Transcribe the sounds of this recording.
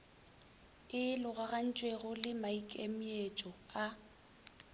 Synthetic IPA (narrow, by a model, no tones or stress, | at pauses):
ɪlʊɣaɣan̩t͡ʃʼweɣʊlɪmaikʼemiet͡ʃʼɔa